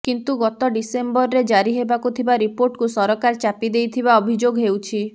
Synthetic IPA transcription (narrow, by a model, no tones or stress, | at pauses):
kint̪uɡɔt̪ɔɖisembɔɾɔɾed͡ʒaɾiɦebakut̪ʰibaɾipoɾʈkusɔɾɔkaɾt͡ʃapid̪ejt̪ʰibaɔbʱid͡ʒoɡɦewt͡ʃʰi